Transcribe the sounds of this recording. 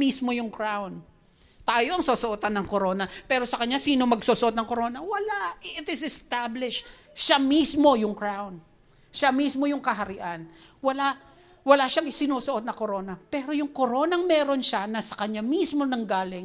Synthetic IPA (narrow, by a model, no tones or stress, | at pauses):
mismo̞jʊŋkɹawn | t̪aːjo̞ʔɐŋsoːsoʔot̪anːɐŋkoɾo̞nɐpɛːɾo̞sɐkɐɲɲasiːno̞mɐɡsosoʔot̪nɐŋko̞ɾo̞nɐwɐlaɪʔɪt̪ɪsɛst̪ablɪʃ | ʃamismo̞jʊŋkɹawn | ʃamismo̞jʊŋkɐɦɐɾɪʔanwɐla | wɐlaʃaŋɪsɪnuːsoʔot̪̚nɐko̞ɾo̞nɐpɛːɾo̞jʊŋko̞ɾo̞ːnɐŋmɛːɾo̞nʃanɐsɐ̥kɐɲamismo̞nɐŋɡaːlɪŋ